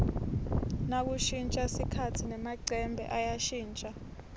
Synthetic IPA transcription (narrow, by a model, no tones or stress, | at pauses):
nak̬uʃint͡ʃʼasikʰatʰinɛmaǀʱɛmbʱɛ̰ʔajaʃiːnt͡ʃʼa